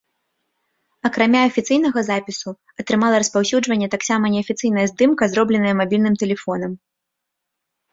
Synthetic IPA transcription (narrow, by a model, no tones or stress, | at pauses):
ɐkɾamʲaɐfʲit̪sɨjn̪ɐɣɐzapʲisu | ɐt̪ɾɨmalˠɐɾɐspawsʲud͡ʐvɐnʲːɛt̪aksamɐnʲɛɐfʲit̪sɨjn̪ɐjɛzd̪ɨmkɐzɾɔblʲɛnɐjɐmabʲilʲnɨmt̪ɛlʲɛfɔnɐm